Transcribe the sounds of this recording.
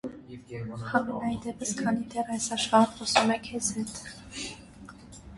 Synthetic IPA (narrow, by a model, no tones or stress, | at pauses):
hɑmɛnɑjd̪ɛpəskʰɑnid̪ɛrɑjsɑʃχɑnχɔsumɛkʰɛzhɛt̪